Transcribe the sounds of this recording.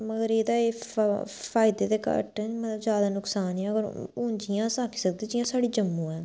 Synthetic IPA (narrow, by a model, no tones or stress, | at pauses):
məɡəɾeːd̪aːeː | pʰaːɪd̪eːd̪eːkə̰ʈɛmət̪ləbzjaːd̪aːnʊksaːnɛːəɡəɾʊːɲd͡ʒɪjãːsaːkʰi̥ːsəkd̪id͡ʒɪjãːsaːɽiːd͡ʒəmːũːɛː